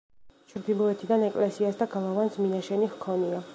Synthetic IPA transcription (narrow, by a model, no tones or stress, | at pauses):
t͡ʃʰɾd̪ilˠɔɛt̪ʰid̪anɛkʼlɛsiasd̪aɡalˠavansminaʃɛnihkʰɔnia